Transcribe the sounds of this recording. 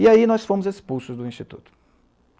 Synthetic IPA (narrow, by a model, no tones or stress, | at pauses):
iainɔsfõmʊzespuwsʊzd̪ʊĩst͡ʃit̪ut̪ʊ̥